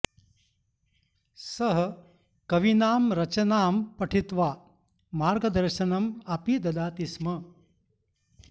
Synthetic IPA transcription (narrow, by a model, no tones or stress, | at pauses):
sɐɦ | kɐʋinaːmɾɐt͡ʃɐnaːmpɐʈʰit̪ʋaː | maːɾɡɐd̪ɐɾʃɐnɐmɐpid̪ɐd̪aːt̪ismɐ